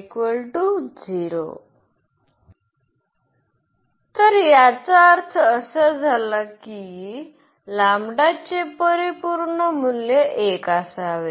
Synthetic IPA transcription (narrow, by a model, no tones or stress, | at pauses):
kʋəlʈud͡ziɾo̰ | t̪əɾjat͡saəɾt̪ʰəːsəd͡zʱalaki | lamɽat͡sepəɾipuɾɳəmuljeʔekasaʋe